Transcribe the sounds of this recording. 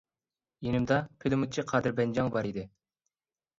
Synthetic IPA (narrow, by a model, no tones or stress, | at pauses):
jenɪmd̪ɑpʰed̪ɪmut͡ʃʰiqʰɑːd̪ɨɾbɛnd͡ʒɑŋbɑɾid̪ɪ